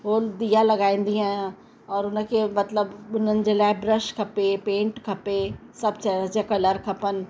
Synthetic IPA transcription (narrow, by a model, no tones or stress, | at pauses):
ɦoːld̪ijalɐɡaːĩːn̆d̪iãː | ɔːɾʊnəkʰemɐt̪ləbʊn̤ənɪ̆d͡ʑeːlaːɪbɾəʃkʰɐpepẽːɳʈkʰɐpesɐbt͡ɕaɾad͡ʑakɐləɾkʰɐpən